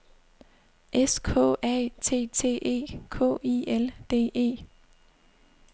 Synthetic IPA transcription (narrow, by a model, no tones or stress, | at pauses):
ʔeskʰɔ̰̽ːɛ̰ːt͡sʰe̝̰ːt͡sʰe̝̰ːʔe̝̰ːkʰɔ̰ːield̥e̝̰ːe̝̰ː